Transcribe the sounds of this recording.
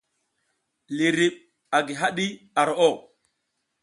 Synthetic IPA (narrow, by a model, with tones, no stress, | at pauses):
li˨ɾi˨ɓ̚ | a˨ɡi˨ɦa˦ɗi˦ | a˨ɾo˨ʔo˦˨